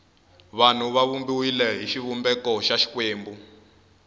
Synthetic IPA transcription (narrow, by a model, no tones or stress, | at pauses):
βan̤uβaβumbiwilɛɦiʃiβumbɛkɔʃaʃi̥kweːmbu